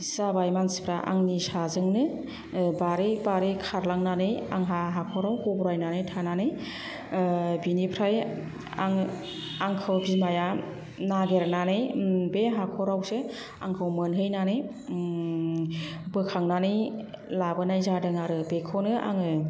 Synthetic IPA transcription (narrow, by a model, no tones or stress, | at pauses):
zabajmansi̥pʰɾaʔa̰ŋnisazɯŋnɯ | baɾebaɾekʰaɾlaŋnanɯjaŋɦaɦakʰɔɾawhɔbɔɾajnanɯjtʰananɯj | binipʰɾaj | a̰ŋ | aŋkʰɯwbimaja | naɡeɾananɯjbeɦakʰɔɾawse | a̰ŋkʰɯwmɯnɦɯjnanɯj | bɯkʰaŋnanɯj | labɯnajzadɯŋaɾɯbekʰɔnɯʔa̰ŋɯ